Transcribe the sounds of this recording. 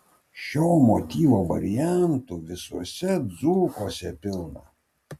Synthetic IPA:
ʃʲoːmot̪ʲiːʋoːʋɐ̰ɾʲɪjæˑnt̪uʋʲɪsuɔsʲɛd̪zuːkoːsʲɛpʲɪlˠnɐ

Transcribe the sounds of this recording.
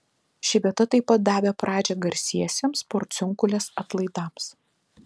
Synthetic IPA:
ʃʲɪʋʲiɛt̪ɐt̪ɐɪpɐt̪̚d̪ɑːʋʲɛːpɾɑːd͡ʒʲɛɡɐɾʲsʲiɛsʲemspɔɾt̪sʲʊŋkʊlʲeːsɐt̪lˠɐɪd̪ɑːms

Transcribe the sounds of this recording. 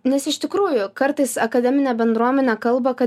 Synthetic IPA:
nʲɛsɪʃt̪ʲɪkɾuːjʊkɐɾt̪ɐɪsɐkɐd̪ʲɛmʲɪnʲɛːbʲɛnd̪ɾuɔmʲɛnʲɛkɐlˠbɐkɐ

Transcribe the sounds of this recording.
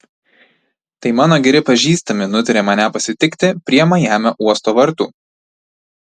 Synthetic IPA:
t̪ɐɪmɑːnoːɡʲɛɾʲɪpɐʒʲiːst̪ɐmʲɪnʊt̪ʲɪɾʲemɐnʲæpɐsʲɪt̪ʲɪkt̪ʲɪpʲɾʲiɛɛmɐjæːmʲɛʔuɔst̪oːʋɐɾˑt̪uː

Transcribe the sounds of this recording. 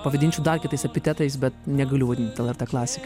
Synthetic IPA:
pɐʋɐd̪ʲinʲt͡ʃʲɛʊd̪ɐrkʲɪt̪ɐɪsɛpʲɪt̪ʲɛt̪ɐɪsbʲɛt̪nʲɛɡɐlʲʊʋɐd̪ʲɪnt̪ʲɛlˠɛɾt̪ɛklˠɑːsʲɪk

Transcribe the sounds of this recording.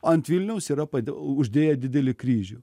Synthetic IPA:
ɐnt̪ʋʲɪlʲnʲɛʊsiːɾɐpɐʊʒʲd̪ʲeːjɛd̪ʲɪd̪ʲɛlʲɪkɾʲiːʒʲʊ

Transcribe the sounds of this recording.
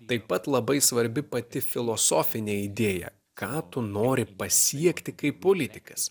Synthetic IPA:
t̪ɐɪpːɐt̪lˠɐbɐɪsʋɐɾʲbʲɪpɐt̪ʲɪfʲɪlˠoːsoːfʲɪnʲeːid̪ʲeːjɛ̰ | kɑːt̪ʊnoːɾʲɪpɐsʲiɛkt̪ʲɪkɐɪppoːlʲɪt̪ʲɪkɐs

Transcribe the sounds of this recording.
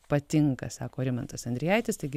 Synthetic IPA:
pɐt̪ʲɪŋkɐsɑːkoːɾʲɪmɐnt̪ɐsɐnd̪ɾʲɪjɛɪt̪ʲɪst̪ɐɪɡʲɪ

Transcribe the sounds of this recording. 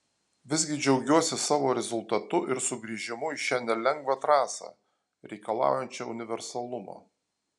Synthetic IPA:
ʋʲɪzʲɡʲɪd͡ʒʲɛʊɡʲuɔsʲɪsɑːʋoːɾʲɛzʊlˠt̪ɐt̪ʊʔɪɾsʊɡɾʲiːʒʲɪmʊiʃʲæːnʲɛlʲɛŋɡʋɑt̪ɾɑːsɑ̰ː | ɾʲɛɪkɐlˠɑ̰ːʊjɛnʲt͡ʃʲɛʊnʲɪʋʲɛɾsɐlˠʊmo̰ː

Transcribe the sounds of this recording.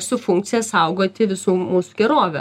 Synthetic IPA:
sʊfʊŋk̚t̪sʲɪjɛssɐʊɡoːt̪ʲɪʋʲɪsuːmuːsuɡʲɛɾoːʋʲɛ

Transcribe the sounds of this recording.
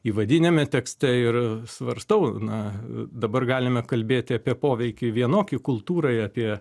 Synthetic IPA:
iːʋɐd̪ʲɪnʲɛmʲɛt̪ʲɛksʲt̪ʲɛɪrsʋɐɾst̪ɐʊnɐd̪ɐbɐrɡɑːlʲɪmʲɛkɐlʲbʲeːt̪ʲɪɐpʲiɛpoːʋʲɛɪkʲɪʋʲiɛnoːkʲɪkʊlˠt̪uːɾɐɑːpʲiɛ

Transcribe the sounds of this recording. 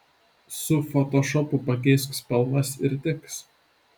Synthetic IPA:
sʊfɔt̪ɔʃɔpʊpɐkʲes̬kspʲɛlˠnɐsɪɾʲt̪ʲɪks

